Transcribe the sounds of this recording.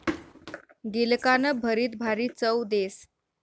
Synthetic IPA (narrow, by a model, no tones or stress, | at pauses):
ɡilkanəbʱəɾiːt̪̚bʱaɾiːt͡səwd̪es